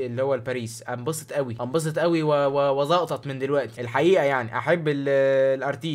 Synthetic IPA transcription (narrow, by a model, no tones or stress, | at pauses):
ʔelːihowːælpæːɾiːsʔæmbɑsˤe̥t̪ʔæwiʔɑmbɑs̬et̪ʔæwiwewewɑzˤɑːʔt̪ˤɑt̪mend̪elwæʔt̪i̥ʔelħaʔiːʔæjaʕnḭʔa̰ħebːellʔɑɾˤt̪iː